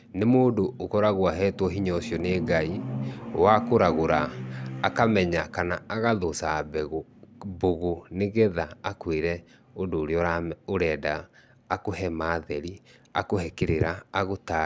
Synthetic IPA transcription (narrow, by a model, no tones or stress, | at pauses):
nemoːdoːkɔɾaɣwaɦɛːtwɔɦiɲɔsjɔneːɡaiwakoɾaɣoɾaː | kamɛɲakanaaɣaðosabɛɣo | boɣoneɣɛðaakweɾɛ | odoːɾeɔɾaoɾɛːdaː | kohɛmaːðɛɾia̰kohɛkeɾeɾaaɣota